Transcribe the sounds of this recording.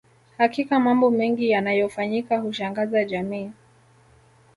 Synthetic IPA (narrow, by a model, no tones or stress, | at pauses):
hakikamambɔmɛŋɡijanajɔfaɲikahuʃaŋɡazaʄamiː